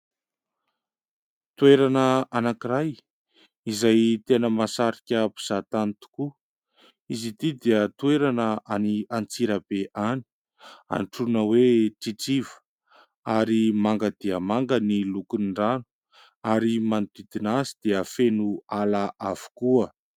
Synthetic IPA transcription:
t̪weɾanəanakiɾaj | izajt̪enəmasaɾikʲəpu̥z̥at̪anit̪u̥ku | izid̪id̪iət̪ueɾanəaniant͡siɾabeʔani̥ | a̰nʈ͡ʂunəweʈ͡ʂiʈ͡ʂivə̥ | aɾimaŋɡəd̪iəmaŋɡənilukunɳɖ͡ʐanu̥ | aɾimant̪id̪inazid̪eəfenualaʔavu̥kuə

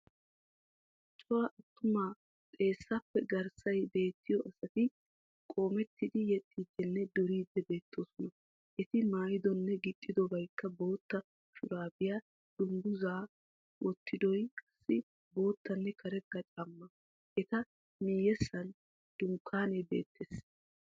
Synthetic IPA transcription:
t͡ʃʼːɔwaʔɐt̪ːʊmaː | t̪ʼe̞ːsːɐpːɛɡɐɾsɐjbe̞ːt̪ʰːɪjɔʔɐsɐt̪ɪ | kʼo̞ːmɛt̪ːɪd̪ɪjɛt̪ʼːiːd̪ːɛnːɛd̪ɔɾiːd̪ːɛbe̞ːt̪ːo̞ːsɔnɐ | ʔɛt̪ɪmaːjɪd̪ɔnːɛɡɪt̪ʼːɪd̪ɔbɐjkːɐbo̞ːt̪ːɐ | ʃʊɾaːbɪja | d̪̥ʊŋɡʊzaː | wɔt̪ʰːɪd̪ɔjkʼɐ̥sːɪ | bo̞ːt̪ʰːɐnːɛkʰɐɾɛkːɐt͡ʃʼɐmːɐ | ʔɛt̪ɐ | mijɛsːɐn | d̪̥ʊŋkʰːaːnɛbe̞̰ːt̪ʰːɛs

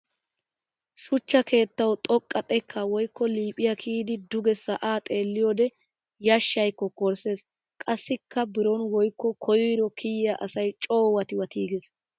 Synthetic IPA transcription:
ʃʊt͡ʃːɐkʰe̞ːt̪ːɐwt̪ʼɔkʼːɐt̪ʼɛkʰːɐwɔjkːɔliːpʼɪjɐkʰiːd̪ɪd̪ʊɡɛsɐʔaːt̪ʼe̞ːlːɪjɔːd̪ɛ | jɐʃːɐjkːɔkɔɾse̞ːs | kʼɐsːɪkːɐbɪɾɔnwɔjkːɔkʰɔjiːɾɔkʰɪjjɐʔɐsɐjt͡ʃʼo̞ːwɐt̪ɪwɐt̪ʰiːɡes

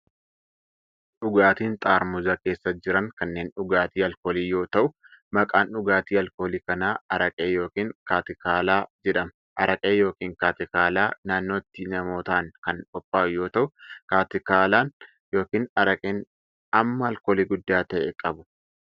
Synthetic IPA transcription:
ᶑʊɡaːt̪iːnt̪ʼaːɾmʊzɐke̞ːsːɐd͡ʒɪɾɐŋkɐnːe̞ːnᶑʊɡaːt̪iːɐlkoːliːjo̞ːt̪ɐʔʊ | mɐkʼaːnʊɡaːt̪iːɐlkoːliːkɐnaːɐɾɐkʼeːjo̞ːkiːŋkaːt̪ɪkaːlaːd͡ʒɛᶑɐmɐ | ʔɐɾɐkʼeːjo̞ːkiːŋkaːt̪ɪkaːlaːnaːnːo̞ːt̪ːɪnɐmo̞ːt̪ɐʔɐnkɐnkʼɔpʼːaːjo̞ːt̪ɐʔʊkaːt̪ɪkaːlaːn | jo̞ːkiːnɐɾɐkʼeːn | ɐmːɐɐlkoːliːɡʊd̪ːaːt̪ɐʔɛkʼɐbʊ̥

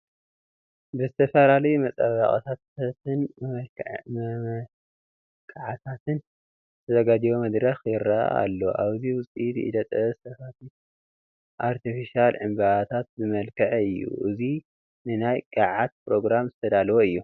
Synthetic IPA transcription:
bɨzɨt̪ʰɐfɐlalɐjumɐt͡sʼɐβa̰χʼt̪ʰat̪t̪ɨn | kʰaʕat̪ʰat̪ɨn | ɨt̪ʰɐzɐɡad͡ʒ̪ijomɐd̪ɾɐxjɪɾaʔa̰ʔa̰lːo̞ʔaβziwʊsʼid̪ɨʔḭd̪ɐt̪ʼɐzɨsɐfat̪ʰi | ʔaɾt̪ʰifiʃialʕɨmbɐʔat̪ʰat̪̚zɨmɐlkʰɐʕɨjːṵʔɨzi | nɨnajkʼaʕat̪̚pɾo̞ɡɾamzɨt̪ʰɐd̪alwoɨjːu

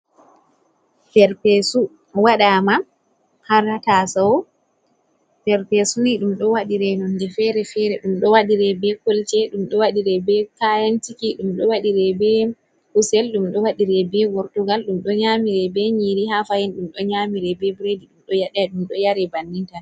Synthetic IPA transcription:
fɛɾpɛsu | waɗama | haɾatasawɔ | fɛɾpɛsuniɗumɗɔwaɗiɾɛnɔndɛfɛɾɛfɛɾɛɗumɗɔwaɗiɾɛbɛkolt͡ʃɛɗumɗɔwaɗiɾɛbɛkajantikiɗumɗɔwaɗiɾɛbɛ | husɛlɗumɗɔwaɗiɾɛbɛɡɔɾtuɡalɗumɗɔɲamiɾɛbɛɲiɾihafajɛnɗumɗɔɲaːmiɾɛbɛbɾediɗumɗɔjaɗɛɗumɗɔjaɾɛbanːinta

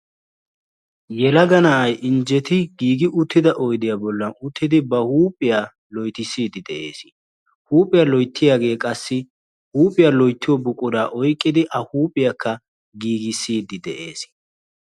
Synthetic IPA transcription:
jɛlɐɡɐnɐʔɐjʔɪnd͡ʒɛt̪ɪɡiːɡɪʔʊt̪ːɪd̪ɐʔɔjd̪ɪjaːbɔlːɐnʊt̪ʰːɪd̪ɪbɐhuːpʼːɪjaː | lɔjt̪ɪsːiːd̪ɪd̪ɛʔe̞̰ːs | huːpʼɪjaːlɔjt̪ːɪjaːɡe̞ːkʼɐsːɪ | huːpʼɪjaːlɔjt̪ːɪjɔbʊkʼʊd̪aːʔɔjkʼːɪd̪ɪʔɐhuːpʼɪjakʰːɐ | ɡiːɡɪsːiːd̪ɪd̪ɛʔe̞ːs

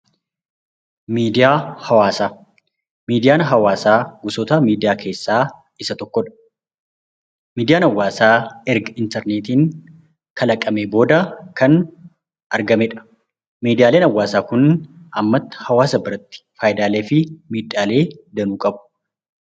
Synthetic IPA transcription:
miːd̪ɪjaːhɐwaːsaː | miːd̪ɪjaːnɦɐwaːsaːɡʊsɔt̪ɐmiːd̪ɪjaːkʰe̞ːsːaː | ɪsɐt̪ɔkːɔᶑɐ̥ | miːd̪ɪjaːnɐwːaːsaːɛɾɡɐɪnt̪ɛɾneːt̪iːn | kɐlɐkʼːɐmeːbo̞ːd̪ɐkɐn | ɐɾɡɐmɛᶑɐ̥ | miːd̪ɪjaːle̞ːnɐwːaːsaːkʊnʔɐmːɐt̪ːɐ̥hɐwaːsɐbɪɾɐt̪ːɪ̥faːjɪd̪aːleːfɪmiːᶑaːle̞ːd̪ɐnuːkʼɐbʊ̥

